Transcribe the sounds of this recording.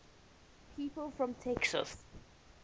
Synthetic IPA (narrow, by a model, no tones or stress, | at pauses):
pʰiːpəlfɹɔ̃mtʰɛksə̰s